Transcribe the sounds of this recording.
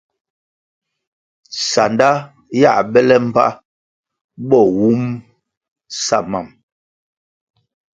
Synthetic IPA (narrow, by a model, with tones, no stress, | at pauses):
sa˨nda˦ | ja̰˦˨bɛ˦lɛ˦m̩˦pa̰˦ | bɔ˦˨wu˦m | sa̰˦˨ma˦˨m